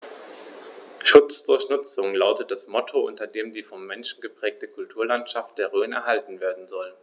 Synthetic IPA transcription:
ʃʊt͡sd̥ʊɐçnʊt͡sʊŋlaʊtət̚d̥asmɔtʰoʔʊ̰ntɐdeːmdiːfɔmːɛnʃn̩ɡəpʁ̥ɛːk̚təkʰʊltʰuːɐlantʃaft̚d̥eːɐʁøːnɛ̰ɐɦaltn̩veːɐdn̩zɔl

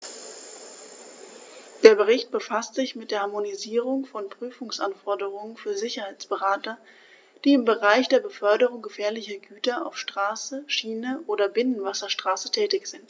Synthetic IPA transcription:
d̥eːɐbəʁɪçt̚b̥əfastz̥ɪçmɪt̚d̥eːɐhaɐmoniziːʁ̞ʊŋfɔnpʁ̥yːfʊŋsʔanfɔɐdəʁʊŋənfyːɐzɪçɐhaɪt͡sb̥əʁaːtɐ | d̥iːɪmbəʁaɪçd̥eːɐbəfœɐdəʁ̞ʊŋɡəfɛːɐlɪçɐɡyːtɐa̰ʊfʃtʁ̥aːsəʃiːnəʔoːdɐbɪnənvasɐʃtʁ̥aːsətʰɛːtɪçz̥ɪnt

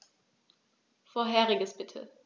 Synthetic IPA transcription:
foːɐɦɛːʁɪɡəsb̥ɪtʰə̰

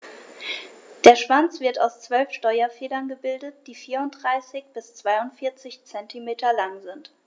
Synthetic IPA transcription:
d̥eːɐʃv̥ant͡sv̥ɪɐtaʊst͡sv̥œlfʃtɔʏɐfeːlɐnɡəbɪldət̚d̥iːfiːɐʊnt̚d̥ʁaɪsɪçb̥ɪst͡sv̥aɪʊntfɪɐt͡sɪçt͡sɛntimeːtʰɐlaŋzɪnt

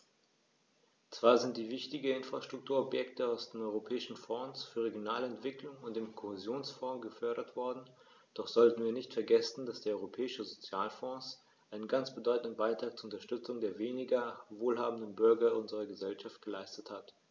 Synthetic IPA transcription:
t͡sv̥aːɐzɪntd̥iːvɪçtɪɡ̩ɪnfʁ̥aʃtʁ̥ʊk̚tʰuːɐɔpjɛktəaʊsd̥eːmɔʏʁopʰɛːɪʃn̩fɔːsfyːɐʁeɡjonaːləɛntv̥ɪklʊŋʊnt̚d̥eːmkʰohezjoːnsfɔ̃ːɡəfœɐɾɐtv̥ɔɐdn̩ | d̥ɔχz̥ɔltn̩viːɐnɪçtfɛɐɡɛsn̩dasd̥eːɐɔʏʁopʰɛːɪʃəzot͡sjaːlfɔ̃ːs | ʔaɪnənɡant͡sb̥ədɔʏtn̩dənbaɪtʁ̥aːk̚t͡suɐʊntɐʃtʏt͡sʊŋdeːɐveːnɪɡɐvoːlɦaːbm̩dənbʏɐɡɐʊnzəʁɐɡəzɛlʃaft̚ɡ̥əlaɪstəthat

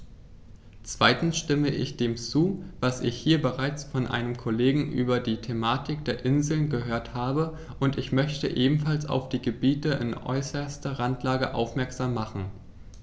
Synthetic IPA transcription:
t͡sv̥aɪtn̩sʃtɪməʔɪ̰çd̥eːmt͡suːvasɪçhiːɐbəʁaɪt͡sfɔnʔa̰ɪnəmkʰoleːɡŋ̩ʔy̰ːbɐdiːtʰemaːtɪk̚d̥eːɐʔɪnzl̩nɡəɦøːɐthaːbə | ʔʊntɪçmœçtə̰ʔeːbm̩falsa̰ʊfd̥iːɡəbiːtəʔɪ̰nʔɔ̰ʏsɐstɐʁantlaːɡəʔa̰ʊfmɛɐkz̥aːmːaχn̩

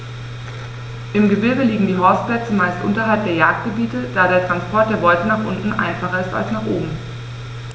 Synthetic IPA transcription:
ʔɪmɡəbɪɐɡəliːɡŋ̩diːɦɔsplɛt͡səmaɪstʔʊ̰ntɐɦalp̚d̥eːɐjaːk̚t̚ɡ̥əbiːtəd̥aːɾeːɐtʁ̥anspʰɔɐt̚d̥eːɐbɔʏtənaːχʔʊntn̩ʔa̰ɪnfaχɐɪsta̰lsnaːχʔoːbm̩

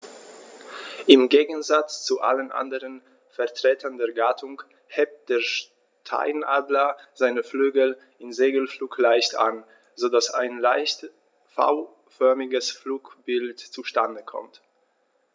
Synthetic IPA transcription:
ʔɪmɡeːɡŋ̩zat͡st͡suʔa̰lənʔa̰ndəʁən | fɛɐtʁ̥eːtʰɐndeːɐɡaːtʰʊŋ | hɛp̚t̚d̥eːɐʃ | tʰa̰ɪnʔaːdlɐzaɪnəflyːɡl̩ | ɪnzeːɡl̩fluːklaɪçta̰n | zodasaɪnlaɪçt | fa̰ʊ | fœɐmɪɡəsfluːkb̥ɪltt͡suʃtandəkʰɔ̰mt

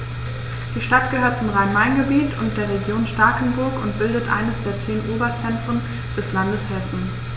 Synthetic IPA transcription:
d̥iːʃtat̚ɡ̥əhøːɐt̚t͡sʊmʁaɪnmaɪnɡəbiːtʰʊnt̚d̥eːɐʁeɡjoːnʃtaɐkn̩bʊɐkʊntb̥ɪldətʔa̰ɪnəsd̥eːɐt͡seːnʔoːbɐt͡sɛntʁ̥ən | d̥ɛslandəshɛsn̩

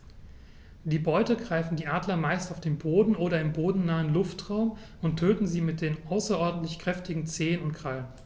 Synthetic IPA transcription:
d̥iːbɔʏtəɡʁaɪfn̩diːʔaːdlɐmaɪstaʊfd̥eːnboːdn̩ʔoːɾɐɪmboːdn̩naːənlʊftʁ̥aʊm | ʊntʰøːtn̩ziːmɪt̚d̥eːnʔaʊsɐʔɔɐdn̩tlɪçkʁ̥ɛftɪɡŋ̩t͡seːənʊntkʁ̥alən

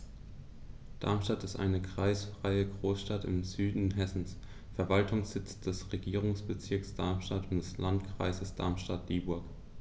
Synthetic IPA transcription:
d̥a̰ɐmʃtatɪstʔa̰ɪnəkʁ̥aɪsfʁ̥aɪəɡʁoːsʃtatɪ̰mzyːdn̩ɦɛsn̩s | fɛɐvaltʰʊŋsz̥ɪt͡sd̥ɛsʁeɡiːʁ̞ʊŋsb̥ət͡sɪɐksd̥aɐmʃtatʊnd̥ɛslantkʁ̥a̰ɪzəsd̥a̰ɐmʃtat̚l̥iːbʊɐk

